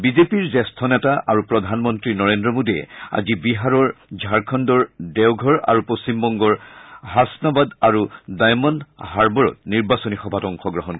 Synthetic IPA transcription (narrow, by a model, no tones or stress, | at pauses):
bizepiɹzɛstʰɔnɛtaʔaɹupɹɔdʱanmɔntɹinɔɹendɹɔmodiɛ̰a̰zibiɦaɹɔɹd͡ʒʱaɹkʰɔndɔɹdɛwɡʱɔɹa̰ɹupost͡ɕimbɔŋɡɔɹhasnabadaɹudajmɔnhaɹbɔɹɔ̰t̚niɹbasɔnixɔbʱatɔŋxɔɡɹɔɦɔnk